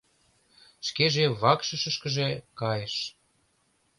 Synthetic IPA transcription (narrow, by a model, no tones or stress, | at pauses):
ʃkeʒeβɑkʃəʃə̆ʃkə̆ʒekɑjəʃ